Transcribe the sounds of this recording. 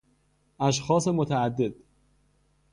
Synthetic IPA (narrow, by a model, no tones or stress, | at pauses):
ʔæʃ̬xɒːse̞mot̪ʰææd̪ːe̞d̪̥